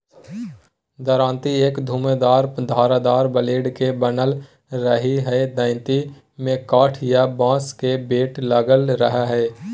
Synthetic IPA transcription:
d̪əɾãːnt̪ieːkd̪ʱuːmed̪aːɾd̪ʱaːɾad̪aːɾbəleːɖkebənəl | ɾəɦiɦɛd̪ə̃ɪnt̪i | mẽkaːʈʰjabãːskebeːʈləɡəlɾəɦaɦɛː

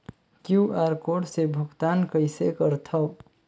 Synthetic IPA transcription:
kjuaːɾkoːʈsebʱʊɡt̪aːnkəɪsekəɾt̪ʰəw

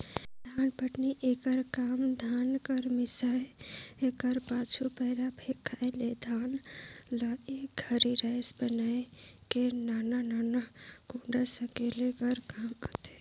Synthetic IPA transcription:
d̪ʱanpəʈniʔekəɾkamd̪ʱankəɾmisajekəɾpat͡ʃʰupəɪɾabʰʱekʰːaeled̪ʱanləeɡʱəɾiɾaɪsbənajkenanananaɡũɳɖəsəkelekəɾkamət̪e̥

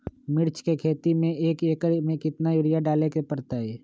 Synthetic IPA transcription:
mɪɾt͡ʃkekʰeːt̪imẽeːkeːkəɾmẽːkɪt̪najʊɾɪjaɖaːlekepəɾt̪aɦɛː

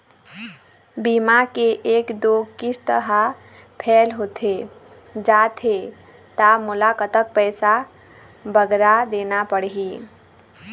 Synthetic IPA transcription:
bimakeʔekd̪okisʰt̪əɦə | pʰɛlɦot̪ʰe | d͡ʒat̪ʰe | t̪amulakət̪ək̚pəjsa | bəɡɾad̪enapəɽɦi

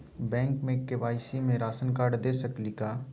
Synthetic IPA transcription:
bɛ̃ːŋkmẽkːeʋaːɪsimẽɾaːsənkaːɽd̪eːsəklikaː

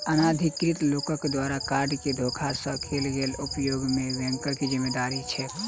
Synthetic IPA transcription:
ənad̪ʱikɾit̪lokəkd̪waɾakaɾɖked̪ʱokʰasə̃kʰelɡeːlupjoːɡmeʋɛ̃ŋkəkizimːed̪aɾit͡ʃʰɛ

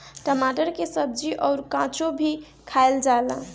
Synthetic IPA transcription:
ʈəmaʈəɾkesəb̚d͡ʒiʔɔʊɾkãt͡ʃobʱi | kʰaeld͡ʒaela

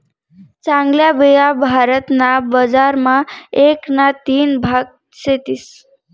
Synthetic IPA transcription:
t͡sãŋɡljabijabʱaɾət̪nabəd͡zaɾmaeknat̪inbʱaɡ̚ | set̪is

